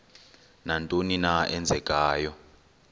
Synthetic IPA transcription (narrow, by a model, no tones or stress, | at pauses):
nantʼoninaɛnd͡zʱɛkʼaːjɔ